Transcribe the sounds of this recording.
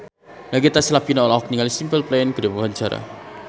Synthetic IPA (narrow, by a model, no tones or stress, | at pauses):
laɡit̪asilapinaɔlaɦɔk̚niŋalisimpəlplenkəɾebawaɲt͡ʃaɾa̰